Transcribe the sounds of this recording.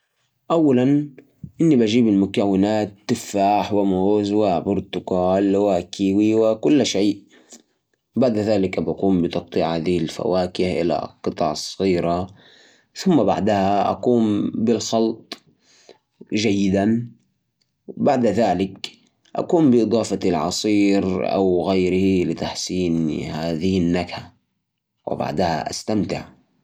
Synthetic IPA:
ʔawːalan | ʔɪnːibʔaʒiːbɪlmʊkawːɪnaːt̪ːɪfːaːħwɪmoːzwabʊɾt̪ʊɡaːlwakʰiːwiwɪkʊlːʃeːʔ | baʕd̪ðaːlɪkabakuːmbɪt̪ɑt̪ˤːiʕhaːðihɪlfa̰waːkɪhʔɪ̰la̰qɨt̪ˤɑ̰ʕsˤːɣiːɾa | θʊmːabaʕd̪ahaʔa̰kuːmbɪlxɑlt̪ˤ | ʒajːɪd̪an | baʕd̪ðaːlɪk | ʔa̰kuːmbɪʔɨd̪ˤɑːfalʕɑ̰sˤiːɾʔa̰wɣajɾɪhilɪt̪aħsiːnhaːðɪhɪnːakha | wɪ̰ba̰ʕd̪aha̰ʔa̰st̪amt̪ɪ̰ʕ

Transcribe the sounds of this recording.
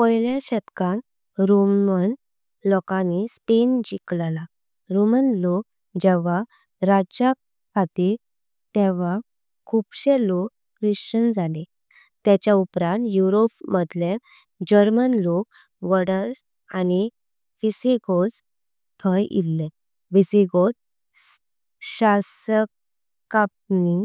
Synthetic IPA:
pəjljaɕɛt̪kãn | ɾomən | lɔkãnispend͡ʑiklla | ɾomənlok̚ | d͡ʑɛʋa | ɾad͡ʑja | kʰat̪iɾ | t̪ɛʋ̤a | kʰubɕelokːɾiɕt͡ɕənd͡zale | t̪at͡ɕjaupɾãnt̪juɾopməd̪le | d͡ʑəɾmənlok̚ | ʋəɽəɾs | ani | fisiɡod͡z | t̪ʰəjḭlːẽ | ʋisiɡot | s | ɕasək | kːap̚ni

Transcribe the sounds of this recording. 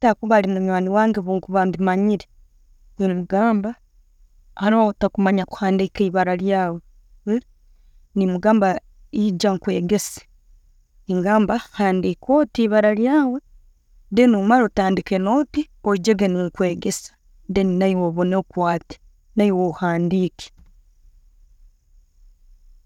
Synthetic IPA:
takuβalimuɲwaːniwaːŋɡeβuŋkuβandimaɲiɾe | nimuɡaːmba | aɾotakumaɲaku̥haːndikaiβaɾaljaːwe | nimuɡaːmba | id͡ʒaŋkwe̞ːɡe̞sḁ | iŋɡaːmbahaːndikʰotiβaɾaljaːwe | denumaɾotaːndikenoːti | od͡ʒeɡenikwe̞ːɡesḁ | deninaiwoβo̞nekwaːti̥ | naiwohaːndike̥

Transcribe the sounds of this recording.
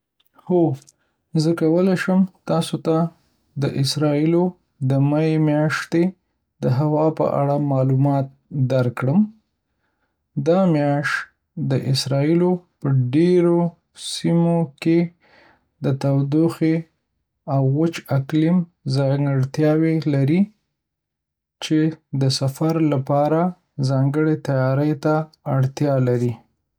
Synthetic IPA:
xo | zəkawəlaʃəmt̪ɑsot̪a | d̪əʔɪsɾɑilo | d̪əmaemjɑʂt̪e | d̪̥əɦawɑpə̰ʔa̰ɽamɑlumɑt̪̚d̪aɾkɽəm | d̪ɑmjɑʃ | d̪əʔɪsɾɑilopəɖeɾo | simoke | d̪ət̪awd̪oxe | awɣʊt͡ʃaklɪmzɑjŋɡaɽt̪jɑwelaɾi | t͡ʃed̪əsafaɾlapɑɾa | zɑŋɡəɽet̪ajɑɾəjt̪aː | ɽt̪jɑlaɾi

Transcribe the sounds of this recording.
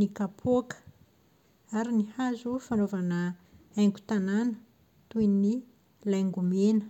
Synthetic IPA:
nikapʰokə̥ | aɾinihazufanovanə | ajŋɡu̥t̪ananə | t̪uini | lajŋɡumenə̥

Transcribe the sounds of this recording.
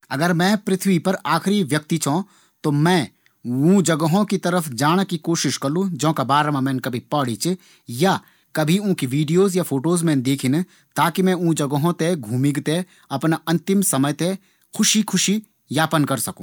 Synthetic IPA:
ɐɡəɾmɛ̃ːpɾɪt̪ʰʋipɐɾaːkʰɪɾiʋjɐk̚t̪it͡ʃʰõ | t̪omɛ̃ː | ũːd͡ʒɐɡəɦõkit̪ɐɾəfʰd͡ʒaːɽ̃kikoːʃɪʃkɐɾlũd͡ʒɔ̃ːkabaːɾmãmɛ̃ːnkɐbʱipɐɽ̤it͡ʃ | ja | kɐbʱiũːkiʋiːɖijoːzjafʰoːʈoːzmɛ̃ːnd̪eːkʰɪn | t̪aːkimɛ̃ũːd͡ʒɐɡəɦõt̪eɡʱuːmɪɡt̪e | ɐpnɐ̃nt̪ɪmsɐməjt̪e | kʰʊʃikʰʊʃi | jaːpənkɐɾsɐkũː

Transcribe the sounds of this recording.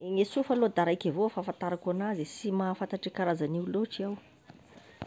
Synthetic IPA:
eŋesufalod̪aɾajkavofafant̪aɾakanazisimafant̪aʈ͡ʂikaɾazaniwloʈ͡ʂiaw

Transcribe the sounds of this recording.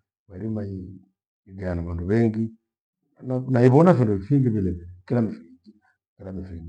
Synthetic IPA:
maɾimai | iɡɛanaβanduβɛŋɡi | nanaiβɔnafindufiŋɡiβilɛkilamifid͡ʒi | kilamifiŋɡi

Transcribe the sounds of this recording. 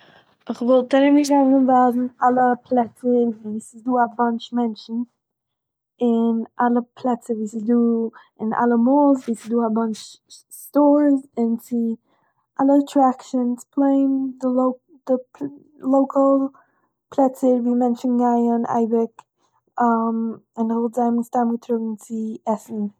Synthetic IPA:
ɪχvɔlˠt̚aɾɪmɪʃ̬ɡaɪnɪnvaːzn̩alˠəpʰlˠɛt͡səɾviːsɪzduːavant͡ʃmɛnʃn̩ | ɪnʔalˠəpʰlˠɛt͡səviːsɪzduː | ɪna̰lˠəmoːlˠzviːsɪzduːavant͡ʃ | stoːɾzɪnt͡sɪ | alˠətʰɾakʃənspʰleɪmdɪloʊ | d̥ɪ | lˠoʊkʰəlˠ | pʰlˠɛt͡səɾviːmɛnʃn̩ɡaɪənʔa̰ɪbɪk | amɪnvɪlˠtzaɪmstamɡətʰɾʊɡŋ̩t͡sɪɛsn̩

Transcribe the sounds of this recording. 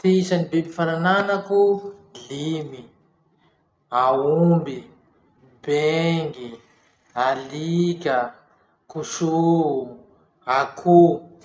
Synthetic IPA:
t̪iisanibebifaɾananakulimi | aumbi | beŋɡi | alikʲə | kusu | akʰu

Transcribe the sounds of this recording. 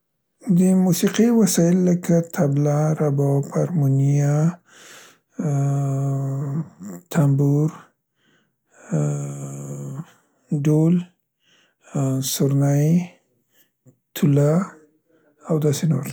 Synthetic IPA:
d̪əmusiqiwasɑjɪlːəkat̪ʰablaɾabɔpaɾmunija | t̪ʰambuɾ | ɖol | sʊɾnaj | t̪ʰʊla | awd̪ɑsenoɾ

